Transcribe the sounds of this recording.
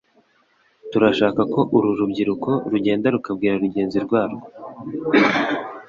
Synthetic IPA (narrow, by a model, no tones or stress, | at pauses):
tuɾaʃaːkako̞ʔuɾuɾubɟiɾuko̞ɾuɟe̞ːndaɾukab̚ɡiːɾaɾuɟe̞ːnziɾɡwaːɾo